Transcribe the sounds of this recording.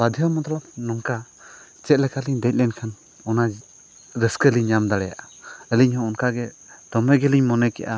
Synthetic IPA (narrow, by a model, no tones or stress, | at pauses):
bad̪ʱijɔmɔt̪alap̚nɔŋka | t͡ʃɛt̪̚lɛkaliɲd̪ɛc̚lɛnkʰan | ɔna | ɾəskəliɲːamd̪aɽɛja̰ʔaəliɲhɔ̃ɔnkaɡɛ | d̪̥ɔmɛɡɛliɲmɔnɛkɛ̰ʔa